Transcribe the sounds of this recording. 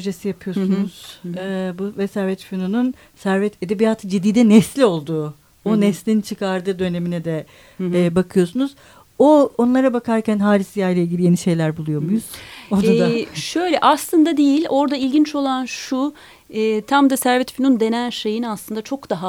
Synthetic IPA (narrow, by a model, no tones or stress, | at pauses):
t̪ɾod͡ʒesijapʰɯjo̞unuz̥ɛbuvɛsæɾvɛt̪finonun | sæɾvɛt̪ʰed̪ebijaːt̪ʰɯd͡ʒid̪ːiːd̪ɛnɛslʲio̞lˠd̪uː | onɛslʲint͡ʃʰɯkʰaɾd̪ɯːd̪ø̞ne̞minɛd̪ɛː | bakʰɯjo̞sunuz̥ | oonlˠaɾabakʰaɾcʰænɦaːlʲisijajlʲɛilʲɟilʲije̞niʃe̞jlʲæɾbulˠujo̞mujuz̥od̪aɛd̪aʃø̞jlʲɛʔaslˠɯnd̪ad̪ejilʲo̞ɾd̪ailʲɟint͡ʃo̞lˠanʃu | ɛːt̪ʰamd̪asæɾvɛt̪finund̪e̞nænʃe̞jinaslˠɯnd̪at͡ʃʰo̞kd̪aɦa